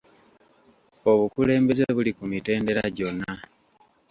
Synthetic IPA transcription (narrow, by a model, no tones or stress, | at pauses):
o̞βukule̞ːmbe̞zeβulikumite̞ːnde̞ɾaɟo̞nːa